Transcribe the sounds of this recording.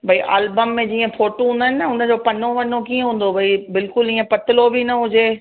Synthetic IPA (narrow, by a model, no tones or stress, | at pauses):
bʱɐiʔaːlbəmːẽd͡ʑiːə̃foːʈoɦũːnd̪aɦɪnnɐʊnə̆d͡ʑoːpɐn̤oʋɐn̤okiːə̃ɦũːn̆d̪obʱɐibɪlkʊliːə̃pɐt̪ɪlobʱinɐɦʊd͡ʑeː